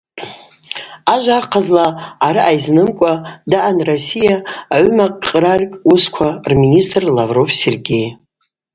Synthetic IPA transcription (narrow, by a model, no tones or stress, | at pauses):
aʒʷarqʰazlaːɾɨʔajznɨmkʷʼadaʔanrosijaːʕmaqʼɾarʲkʼuskʷʰarministʼrlavro̞vserɡʲej